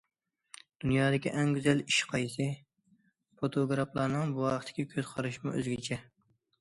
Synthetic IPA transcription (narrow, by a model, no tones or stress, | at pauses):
d̪̥unjɑːd̪ɪkʲiʔɛŋɡʲyzɛliʃqʰɑjsɨ | fot̪ʰoɡɾɑplˠɑɾnɨŋbuwɑχət̪ʰɪ̥kʲikʲʰøzqʰɑɾɨʃmuʔø̰zɡʲiɪt͡ʃʰɛ